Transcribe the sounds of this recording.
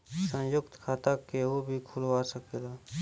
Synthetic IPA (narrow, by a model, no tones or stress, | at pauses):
sə̃jʊkt̪kʰaːt̪akeɦobʱikʰʊlʋaːsəkelaː